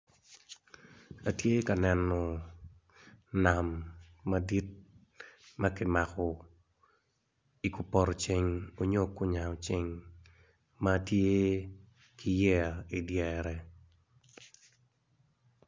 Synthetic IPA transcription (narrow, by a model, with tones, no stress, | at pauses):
a˨tje˦ka˨nɛ˨nɔ˨ | na˨mː | a˦di˦t̚ | ma˦kɪ˦ma˨kɔ˨ | i˨kʊ˨pɔ˨ɾɔ˨t͡ʃe˦ŋo˦ɲo˦kʊ˦ɲa˨o˨t͡ʃe˦ŋ | ma˦tje˦ | kʰɪ˦jɛ˦a˨i˨djɛɾɛ˦